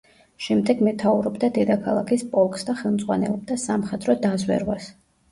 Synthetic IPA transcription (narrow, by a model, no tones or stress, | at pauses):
ʃɛmd̪ɛɡmɛt̪ʰauɾɔbd̪ad̪ɛd̪akʰalˠa̰kʰispʼɔlˠkʼsd̪aχɛlˠmd̪zʼʁwa̰nɛ̰lˠɔb̚d̪asamχɛt̪ʼɾɔd̪azwɛ̰ɾwas